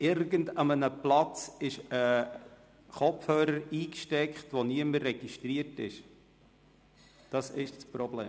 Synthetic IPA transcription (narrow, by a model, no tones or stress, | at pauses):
ɪɾɡəndɑmənəplɑt͡sɪʃə | χɔpfhøːɾəɾiːkʃtɛkχtʋoniəməɾːɛɡ̥iʃtɾiərtɪ̰ʃ | d̥ɑsɪʃsprɔblḛː